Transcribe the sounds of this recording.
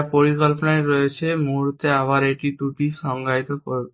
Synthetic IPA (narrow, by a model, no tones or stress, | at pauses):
pɔɾikɔlpnaɾɔet͡ʃʰemuɾt̪eaʋaɾeʈit̪uʈisɔŋɡajt̪ɔkɔɾ